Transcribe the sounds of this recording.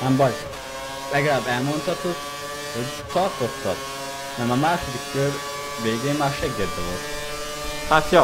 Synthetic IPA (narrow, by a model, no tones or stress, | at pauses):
ɛmbɒʎ | pɛɡɾaːbɛlmont̪ɒt̪ok | hoɟ | t̪ɒrt̪ot̪ːɒ̰t̪ | nɛmɒmaːʃod̪ikkøɾ | veːɡeːmmaːrʃɛɡːɛd̪ːɛvolt̪ | hat̪jo